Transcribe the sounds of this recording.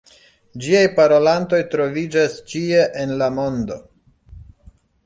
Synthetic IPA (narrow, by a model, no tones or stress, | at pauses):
d͡ʒiajpaɾo̞lant̪o̞jt̪ɾo̞vid͡ʒast͡ʃie̞ʔenlamo̞nd̪o̞̰